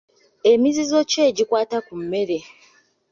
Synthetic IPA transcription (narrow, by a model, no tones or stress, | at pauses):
e̞mizizo̞ce̞ːɟikwaːtakumːe̞ɾe̞